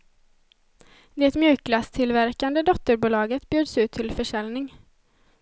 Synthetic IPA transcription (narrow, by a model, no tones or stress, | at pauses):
d̪ɛɛt̪mjʉ̟ːklast̪ʰɪlvæɾkand̪əd̪ɔt̪ːəɾbuːlɑːɡət̪bjʉːd̪sʉ̟ːt̪ʰːɪlfœʂɛlnɪŋ